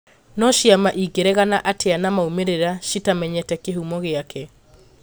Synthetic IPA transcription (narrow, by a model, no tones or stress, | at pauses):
nɔʃiamaʔiɡeɾɛɣanaʔateanamaumeɾeɾaʃitamɛɲɛtɛkeɦumɔɣeakʰɛ